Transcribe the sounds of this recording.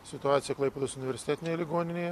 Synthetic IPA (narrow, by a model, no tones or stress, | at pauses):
sʲɪt̪ʊaːt̪ʲɪjɛklˠɐɪpʲed̪oːsʊnʲɪʋʲɛɾʲsʲɪt̪ʲæt̪ʲɪnʲeːjɛlʲɪɡoːnʲɪnʲeːjɛ